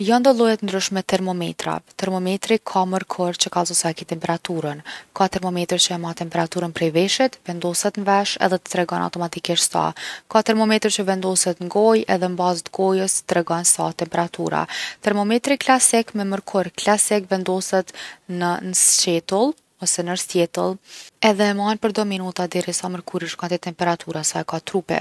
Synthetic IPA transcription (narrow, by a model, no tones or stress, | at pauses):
jand̪ɔlˠɔjɛt̪ənd̪ɾyʃmɛt̪ɛɾmɔmɛ̰t̪ɾa̰t̪ɛɾmɔmɛt̪ɾikʰaməɾkʰɔɾt͡ɕəkalˠzɔsaɛkit̪ɛmpɛɾat̪uɾənkat̪ɛɾmɔmɛt̪ɾt͡ɕəɛmat̪ɛmpɛɾat̪uɾənpɾɛjvɛʃit̪vɛnd̪ɔsɛt̪nvɛʃɛ̰ðɛt̪ə̥t̪ɾɛɡɔna̰wt̪ɔmat̪ikiʃt̪sa̰kat̪ɛɾmɔmɛt̪ɾt͡ɕəvɛnd̪ɔsɛt̪nɡɔjɛðɛmbazət̪ɡɔjəsət̪ɾɛɡɔnsat̪ɛmpɛɾat̪ṵɾa̰t̪ɛɾmɔmɛt̪ɾiklasikmɛməɾkʰɔɾklasikvɛnd̪ɔsɛt̪nənəst͡ʃɛt̪əlˠ | ɔsɛnəɾst̪jɛt̪əlˠɛðɛmanpəɾd̪ɔminut̪ad̪ɛɾisaməɾkuɾiʃkant̪ɛt̪ɛmpɛɾat̪ʰuɾasaɛkat̪ɾupɛ̰